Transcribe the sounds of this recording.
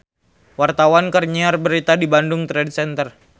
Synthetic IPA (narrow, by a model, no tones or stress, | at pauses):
wart̪awankərɲiarbəɾit̪adibandʊŋt̪ɾɛdsɛnt̪ər